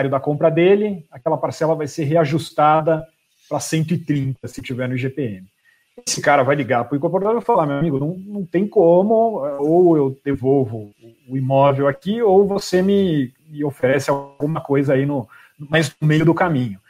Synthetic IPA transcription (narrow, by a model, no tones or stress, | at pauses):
aɾjʊd̪ɐkõmpɾɐd̪elɪakɛlɐpaɾsɛlɐvajseɾɦeaʒust̪ad̪ɐ | pɾɐsẽnt̪ʊɪt̪ɾĩnt̪ɐsɪt͡ʃivɛɾnʊʒepeẽmɪ | esɪkaɾɐvajliɡapʊĩkõpoɾd̪aɾewfalaɾmewamiɡʊnɐ̃w̃nɐ̃w̃t̪ẽj̃kõmʊɛowewd̪evowvʊʊːimɔvewakiowvosemɪ | mɪofeɾɛsɪawɡũmɐkojzɐainʊ | nmajznʊmejʊd̪ʊkamĩɲʊ